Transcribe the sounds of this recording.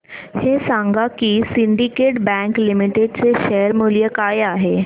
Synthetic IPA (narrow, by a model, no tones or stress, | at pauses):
hesãŋɡakiːsiɳɖikeʈbɛ̃klimiʈeɖt͡seɕeɾmulijəkajaɦe